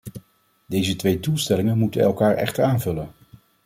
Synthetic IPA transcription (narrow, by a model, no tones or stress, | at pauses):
dejzətʋejdulˠstɛlɪŋənmutənɛ̰lˠkaːɹʔɛ̰χtəɹaːnvɵlən